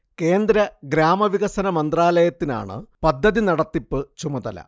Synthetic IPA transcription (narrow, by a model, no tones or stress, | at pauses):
ke̞ːnd̪ɾɐɡɾaːmɐʋiɣɐsɐnɐmɐnd̪raːlɐjɐt̪ːina̰ːɳɨ̰pɐd̪ʱːɐðinɐɽɐt̪ːipːɨt͡ɕumɐðɐ̰lɐ̰